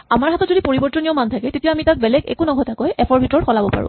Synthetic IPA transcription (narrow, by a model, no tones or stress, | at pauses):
amaɹɦatɔtzodipoɹibɔɹtɔnijɔmantʰakɛtetijaamitat̚bɛlɛɡḛkunɔɡʱɔtʰakɔjɛpʰɔɹbʱitɹɔɹxɔlabɔpa̰ɹʊ̰̃